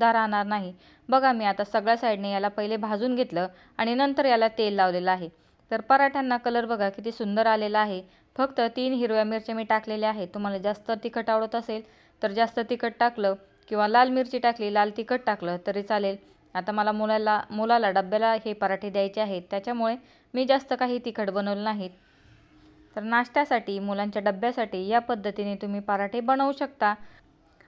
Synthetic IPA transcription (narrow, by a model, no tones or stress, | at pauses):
d̪ʱaɾaɽ̃aɾnaɦi | bəɡamiːat̪asəɡɭjasajɖnejalapəɦilebʱad͡zuːnɡʱet̪ləː | aɽ̃inənt̪əɾjalat̪elːaʋleləaɦe | t̪əɾpəɾaʈʰjanːakələɾbəɡʱakit̪iːsund̪əɾaleləaɦe | fəkt̪ət̪iːnɦiɾojamiɾt͡ɕamiːʈakleleaɦet̪ːum̤alad͡zast̪ət̪ikəʈaʋɽət̪əsel | t̪əɾd͡zast̪ət̪ikəʈʈakləː | kĩw̃ʋalalmiɾt͡ɕiːʈakliːlalt̪ikəʈ̚ʈakləːt̪əɾiːt͡salel | at̪aməlamulalamulalaɖəbjalaɦepəɾaʈʰed̪jajt͡ɕeaɦet̪ːjat͡ɕjamuɭe | miːd͡zast̪əkaɦiːt̪ikʰəʈbənəʋlnaɦit̪ | əɾnaʂʈ̪jasaʈiːmulaɲt͡ɕjaɖəbːjasaʈiːjapəd̪ʱːət̪inet̪um̤iːpəɾaʈʰebəɽ̃əuɕək̚t̪a